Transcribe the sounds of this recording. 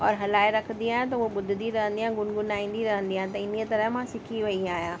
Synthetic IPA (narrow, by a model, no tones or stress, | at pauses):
ɔːɾɦɐlaːeɾɐkʰə̃nd̪iaːɦjẽt̪ɐʊɦeɓʊd̪ʱɪd̪iɾɐɦə̃nd̪iãɡʊnɡʊnaːĩːn̆d̪iɾɐɦə̃nd̪iaːɦt̪ɐɪn̤iət̪ɐɾəɦmãsɪkʰiʋɐĩaːɦijãː